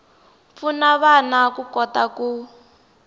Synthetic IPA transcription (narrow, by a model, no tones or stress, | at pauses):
funaβanakukɔtaku